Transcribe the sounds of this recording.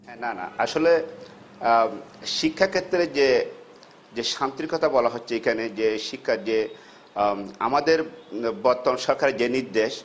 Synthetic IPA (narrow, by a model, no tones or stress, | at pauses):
ɦɛnana̰aʃole | ʃikʰːakʰet̪ːɾed͡ʑe | d͡ʑeʃamt̪iikɔt̪ʰabɔlaɦotːɕʰeekʰaned͡ʑeʃikʰːaɾd͡ʑe | a̰mad̪eɾbɔɾt̪ːomʃɔɾkʰaɾed͡ʑeniɾd̪eʃ